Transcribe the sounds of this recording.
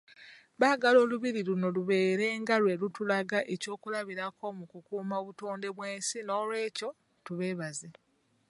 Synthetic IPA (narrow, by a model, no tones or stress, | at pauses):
βaːɡalo̞ːluβiɾiluno̞luβe̞ːɾe̞ŋɡalwe̞lutulaɡaʔe̞co̞ːkulaβiɾakʰo̞mukukuːmaoβuto̞ːnde̞βweːnsino̞ːlwe̞ːco̞ | tuβe̞ːβaze